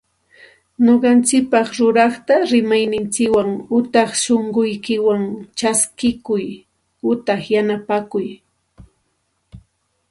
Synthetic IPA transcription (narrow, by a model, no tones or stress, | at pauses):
noɢɑnt͡ʃɪk̚pɑχɾʊɾɑχt̪aɾɪmajnɪnt͡ʃɪkwaŋʊt̪ɑχʃoɴɢʊjkɪwaŋt͡ʃaskɪkʊj | ʊt̪ɑχjanapakʊj